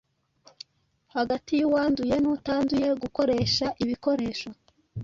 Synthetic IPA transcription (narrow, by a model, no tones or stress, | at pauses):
haɡatijuwaːnzuje̞nutaːnzuje̞ɡuko̞ɾe̞ʃaʔiβiko̞ɾe̞ːʃo̞